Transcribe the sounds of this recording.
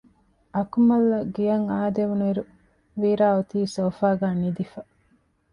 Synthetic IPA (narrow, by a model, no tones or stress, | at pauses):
ʔɐkumɐlːɐɡijɐŋaːd̪eʋunuiɾu | ʋiːɾaːut̪iːsoːfaːɡaːnid̪ifɐ